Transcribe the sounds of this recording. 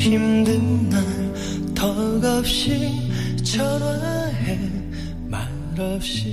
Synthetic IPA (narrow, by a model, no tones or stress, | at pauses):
himd̪ɯna | t̪ʌɡʌp̚ɕit͡ɕʰʌɾaɦe | ma | ɭːʌp̚ɕ͈i